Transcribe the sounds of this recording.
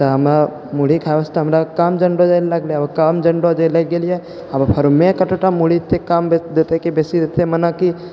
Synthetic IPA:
t̪aɦɐmɾa | muɽikʰaʋəst̪aɦɐmɾakaːmd͡ʒɐɳɖod͡ʒalɐɡlekaːmd͡ʒɐɳɖod͡ʒeleɡelie | ɐmpʰəɾmẽkɐʈoʈamuɽit̪ekaːmbd̪eːt̪ekibeːsiɾet̪ʰemɐnaki

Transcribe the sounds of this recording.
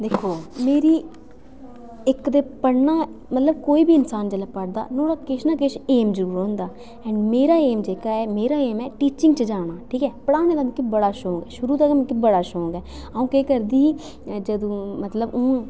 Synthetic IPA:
d̪eːkʰːoːmeːɾiː | ɪkd̪eːpəɽnaːmət̪ləb̚koːiːbiːɪnsaːnd͡ʒələpəɽd̪a̰ːnoːɽaːkɪʃnaːkɪʃeːmzəɾuːɾɦõːnd̪aː | ɛ̃ːɳɖmeːɾaːeːmd͡ʒeːkaːɛːmeːɾaːeːmɛːʈiːt͡ʃɪ̃ŋɡt͡ʃəd͡ʒaːɽ̃aːʈʰiːkɛːpəɽaːneːd̪aːm̃kibəɽaːʃõːŋɡɛːʃʊɾuːt̪aːɡaːm̃kibəɽaːʃõːŋɡɛː | əũːkeːkəɾd̪iː | d͡ʒəd̪õːmət̪ləbõː

